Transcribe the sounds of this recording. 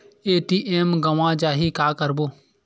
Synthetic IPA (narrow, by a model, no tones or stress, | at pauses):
eːʈiːʔeːmɡəʋãːd͡ʒaːɦiːkaːkəɾboː